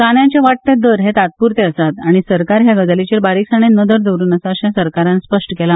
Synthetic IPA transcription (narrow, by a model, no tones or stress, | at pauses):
kaɳjãt͡ɕjaʋaʈ̚t̪ed̪əɾɦet̪at̪̚puɾt̪eəsat̪aɽ̃isəɾkaɾɦjaɡəd͡zalit͡ɕeɾbaɾiksaɳ̃enəd̪əɾd̪əɾuːnəsaəɕãsəɾkaɾãnspəʂʈəkela